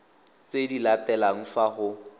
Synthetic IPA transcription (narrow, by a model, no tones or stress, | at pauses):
t͡sʼedilatɛlaŋ̩faχʊ